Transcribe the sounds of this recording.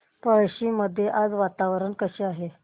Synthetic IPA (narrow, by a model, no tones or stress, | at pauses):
pəɭɕiːməd̪ʱːjeʔad͡zʋat̪aʋɾəɳkəɕiːaɦe